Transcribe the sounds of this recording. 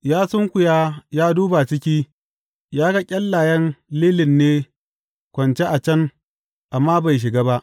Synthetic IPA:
jaː˦sʊ˦ŋkʷʊ˨jaː˦jaː˦duː˦ba˨t͡ʃɪ˦kʲiː˦ | jaː˦ɡɐ˦kʲʼɐ˦lːaː˨jɐ˦nleː˦lɪ˨nːeː˦ | kʷɐ˨nt͡ʃe˦ʔa˨t͡ʃɐ˦ŋ | ʔa˨mːaː˦ba˨jʃ̬ɪ˨ɡaː˦ba˦ʔ

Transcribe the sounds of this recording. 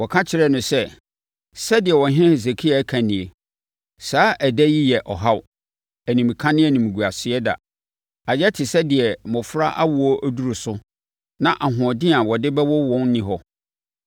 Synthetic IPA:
wɔ˨kʰã˦t͡ɕʰɪ˨ɾɛ˦nʊ̃˨sɛ˦ | sɛ˦dɪ˨ɛ˨wɔ̃˨ɦɪ̃˦ɛ̃˦he˨s̬e˨kʰi˦a˨˦kʰã˨nɪ̃˨e˨ | saː˨˦ʔæ˨dɛ˦ji˦jɛ˨ʔɔ˨ɦa˦w | æ˨nĩ˨m˨kʰã˦nɪ̃˦ɛ˦˨nĩ˨m˨ɡu˨a˨sɪ˨ɛ˦da̰˨ | a˨d͡ʑɛ˦tʰɪ˨sɛ˦dɪ˨ɛ˨mɔ̃˨fʊ˦ɾa̰˦ʔa˦wʊ˨ɔ˦ʔæ˦du˦ɾo˨sʊ˦ | nã˦˨ʔa˨ɦʊ̃˨ɔ˨dɪ̃˦a˨wɔ˨dɪ˦bɛ˦wɔ˦wɔ̃˦n˦nɪ̃˨ɦɔ˦

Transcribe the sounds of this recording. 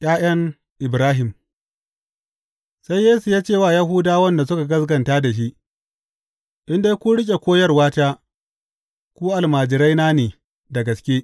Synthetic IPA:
j̰ʲʼaː˦j̰ɐ˦ŋ | ʔɪ˨bɾaː˦ɦɪ˨m | sa˦jːeː˦su˨jaː˦t͡ʃeː˦˨waː˦˨ja˦ɦu˦daː˦wɐ˦nda˨sʊ˦ka˨ɡɐ˦sɡɐ˨ntaː˦da˨ʃ̬i˦ʔ | ʔɪ˦nde˦kʷu˦ɽɪ˦k̬ʲʼe˨kʷoː˦jɐ˦rwaː˦taː˦ | kʷu˦ʔa˨lmaː˨d͡ʒɪ˨ɾa˦jnaː˦neː˨ | dɐ˨ɡɐ˨skʲeː˦

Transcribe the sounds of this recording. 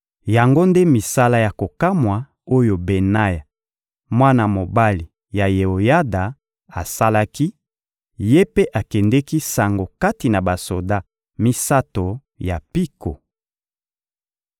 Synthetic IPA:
ja˨ŋɡo˦nde˦mi˨sa˦la˦ja˨ko˨ka˦mwa˨ | o˦jo˨be˨na˦ja˨ | mwa˦na˨mo˨ba˦li˨ | ja˨je˨o˨ja˦da˨ | a˨sa˦la˦ki˦ | je˦pe˦ʔa˨kɛ˨ndɛ˦ki˦sa˨ŋɡo˨ka˦ti˨na˨ba˨so˨da˦ | mi˦sa˦to˨ | ja˨pi˦ko˨

